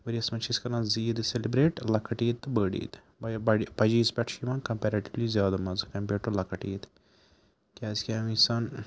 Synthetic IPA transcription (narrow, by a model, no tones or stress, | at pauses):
ʋɐɾiɐsmɐt͡ʃʰiskɐɾãːziːd̪ɨselibɾeːʈlɐkʰɐʈiːt̪ːɨbəːɖḭːt̪ | bbɐipɐd͡ʒiːspʲɛʈʰʃiʋɐːnkɐmpeːɾɐʈiʋlizʲjaːd̪ɐmɐzɨkɐmpeːɾʈulɐkɐʈiːt̪ | kʲaːzkʲamisɐn